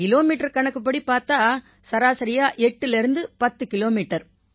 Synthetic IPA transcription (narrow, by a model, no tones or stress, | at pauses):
ɪloːmiːʈːɐɾkɐɳɐkːɯp̬ːɐɽipaːɾt̪aː | sɐɾaːsɐɾɪjaːʔɛʈːɯlɛɾɯnd̪ɯpɐt̪ːɯkɪloːmiːʈːɐɾ